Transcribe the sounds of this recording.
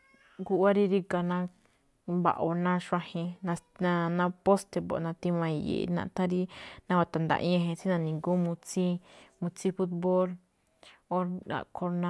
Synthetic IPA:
ɡu˧ʔa˦ɾi˧ɾi˧ka˧nã˧ | ba̰˨˧ʔo˧nã˦ʃʷã˧hẽ˧nã˧nã˧nã˧po˦st̪e˧bo̰˨nã˧t̪i˧mã˧i˧jḛ˨˧nã̰˧t̪ã˦ɾi˦nã˧wa˧˨t̪a˨nd̪a̰˧˨ʔḭ̃˦ã˧ɦẽ˧t͡sĩ˦nã˧nĩ˨ŋɡu˦mũ˧t͡sĩ˦mũ˧t͡sĩ˦fu˦t̪bo˦l | o˦a̰˨kʰo˧ɾna˧

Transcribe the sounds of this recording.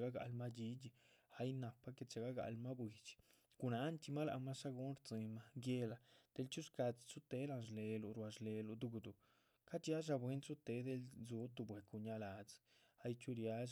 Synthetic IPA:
ɡa˦ɡa̰˧˨lma˦d͡ʒi˦d͡ʒi˧a˦jna˨pːa˦ke˧t͡ʃe˨ɡa˦ɡa̰˧˨lma˦bwi˨˧t͡ʃi̥˨ | ɡ̥u˧na˧˦nt͡ʃi˧ma˦la̰˧˨ma˦ʂa˦ɡu˧˦nɾt͡si˧ma˧ɡje˧la˧d̪̥e˧˦lt͡ʃu˦ska˧t͡st͡su˦t̪e˧˦la˧nʃle˨lu˨ɾwa˧ʃle˧lu˧d̪u˧˦ɡd̪u˨ | ka˦t͡ʃja˦ʒ̬a˧bwe˦nt͡su˦t̪e˧˦d̪e˧˦lzu˨˦t̪u˧bwe˨ku˧ɲa˧la˨t͡s | a˦jt͡ʃu˦ɾja˦

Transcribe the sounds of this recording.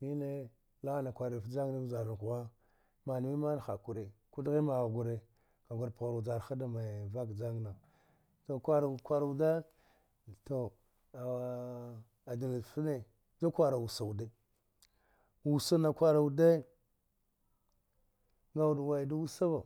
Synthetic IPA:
i˦ne˦ | la˦˨na˨kʷa˨ɾa˨fd͡ʒa˦ŋ˦na˦˨d͡ʒa˨ɾa˨n˨ku˨wa˦ | ma˨ni˨mi˦ma˦n˨xa˨ku˨ɾe˨ku˦dɣi˦ma˨ɣɡu˨ɾe˨ | ka˨ɡʷu˨ɾpɣa˨ɾa˨d͡ʒa˨ɾxa˦da˨ma˨va˦kd͡ʒa˦ŋ˨na˨ | to˨kʷa˦ɾa˨kʷa˦ɾa˨u˨da˦ | to˨ | a˨ | a˨di˨lfi˦ne˨ | d͡ʒa˦kʷa˦ɾa˨wu˨sa˨u˨de˦ | wu˨sa˦na˨kʷa˦ɾa˨wu˨de˦ | ŋɡa˦u˦˨dwa˨da˦wu˦sa˦va˨

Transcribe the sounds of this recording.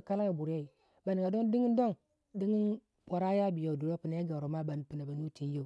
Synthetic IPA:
ka˦la˦ja˨bu˨ɾa˦i˨ | ba˨ni˨ŋɡa˨do˦n˦di˦ŋi˦n˦do˦n | di˦ŋi˦n | pʷa˨ɾa˦ja˦bi˨jo˨du˨ɾo˦pi˨na˦a˦ɡa˨ɾo˨ma˦ba˨n˨pi˨na˨ba˨nu˦ti˨˦jo˨

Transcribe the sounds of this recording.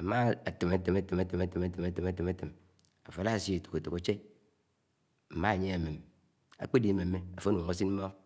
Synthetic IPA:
a˨ma˦a˨te˨ma˨te˨ma˨te˨ma˨te˨ma˨te˨ma˨te˨ma˨te˨ma˨te˨ma˦te˨m | a˨fa˨la˦˨si˦e˨to̥˨ko˨to˨ko˨t͡ʃe˦ | m̩˨ma˦˨ɲe˦a˨me˨m | a̰˨k͡pe˦di˨˦me˨mːe˦a˨fo˦n˨u˨ŋo˦s̬i˦nm̩˦mo˦

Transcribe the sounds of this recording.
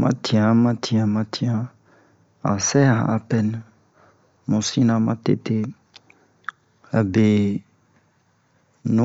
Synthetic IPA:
mã̰˦tʰi˨ã˨mã˦tʰi˨ã˨mã˦t̪i˦ã˨ | a̰˨sɛ˦ã˨a̰˨pɛ˦n | mũ˨si˦nã˨mã˦tḛ˦t̪e˦ | a˨be˨ | nũ˦

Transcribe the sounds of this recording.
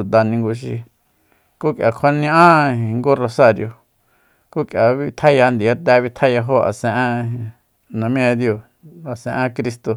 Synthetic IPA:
u˨t̪a˧nĩ˧ŋɡu˧ʃ̬i˧ | ku˦kja˨˧kʷʰa˧nĩ˧˦ʔã˦ĩ˨˧ŋɡu˦ro˧sa˦˧ɾjo˧ | ku˦kja˨βi˧t̪ʰa˦ja˧nd̪i˨a˦t̪ɛ˧˦βi˧t̪ʰa˦ja˧ɦo˦ʔa̰˨sẽ˧ʔã˧ | nã˨mĩ˦ẽ˧d̪jo˧ | a˨sẽ˧ʔã˦kɾi˧st̪o˧

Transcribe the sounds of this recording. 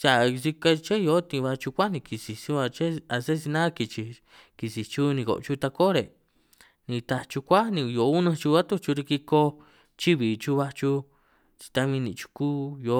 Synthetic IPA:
sa˨si˧ka˧t͡ʃe˦jo˧˦t̪ĩ˧βa˧t͡ʃu˧kʷa˦nĩ˧ki˨si˨sĩ˧˦a˧t͡ʃe˦a˧se˦s̬i˧nã˦ki˧t͡ʃi˧ | ki˧si˨t͡ʃu˦nĩ˧ko̰˨˧t͡ʃu˦˧t̪a˧ko˦ɾe˨ | nĩ˧t̪a˧t͡ʃu˧kʷa˦nĩ˧jo˨˦u˦nã˧t͡ʃu˧βa˦t̪u˦t͡ʃu˧ɾi˧ki˧ko˧ | t͡ʃi˦βi˨t͡ʃu˧βa˧t͡ʃu˧ | t͡ʃi̥˧t̪a˧βĩ˧nĩ˧t͡ʃu̥˧kuː˦jo˧˦

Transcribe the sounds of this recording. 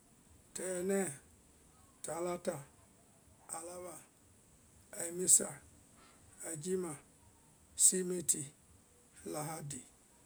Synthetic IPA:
tɛ˨jɛ˨nɛ˦˨ | ta˨˦la˦ta˨ | a˨la˦βa˨ | a˨mi˦sa˨ | a˨d͡ʒi˦ma˨ | si˦me˦ti˨ | la˨ɦa˦di˨

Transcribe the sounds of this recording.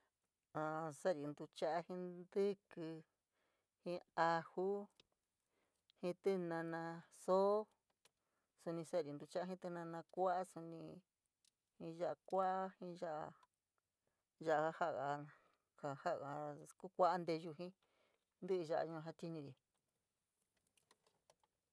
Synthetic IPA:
ã˨sa˦˨ɾi˧nd̪u˧t͡ʃa˦ʔa˧hĩ˦nd̪ɨ˦kɨ˧ | hĩ˦a˧hu˦ | hĩ˧t̪ɨ˦nã˧nã˧so˦ | su˧nĩ˧sa˦˨ɾi˧nd̪u˧t͡ʃa˦a˦ɦĩ˦t̪ɨ˧nã˧nã˧kʷa˦a˦su˧nĩ˧ | hĩ˧˦ʒa˧ʔa˧kʷa˦ʔa˦hĩ˧ʒa˦ʔa˧ | ʒa˧ʔa˧a˧ha˦ʔɣa˧ | ha˧˨ha˦ʔɣa˧ku˦kʷa˦ʔa˦nd̪e˧ʒu˧ɦĩ˦ | nd̪ɨ˦ɨ˧ʒa˧ʔa̰˧ɲũ˧ã˧ɦa˧t̪i˦nĩ˧ɾi˨

